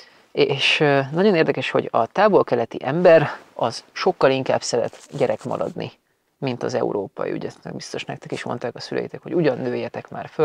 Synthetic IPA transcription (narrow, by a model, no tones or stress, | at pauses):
eːʃnɒɟo̞neːrd̪ɛkɛʃho̞̰ɟɒt̪aːbo̞lkɛlɛt̪iʔɛmbɛɾɒz̥ʃo̞kːɒliŋka̰ːbsɛɾɛ̰t̪ɟɛɾɛkmɒ̰ɾɒd̪nʔi | mint̪ɒzɛṵɾoːpɒ̰jḭy̰ɟɛnɛ̰ɡ̚bist̪o̞ʃnɛk̚t̪ɛkeːʃmo̞̰nt̪aːkɒsylʔɛ̰jit̪ɛkho̞ɟuɟɒnːøːjːɛt̪ɛkma̰ːrfø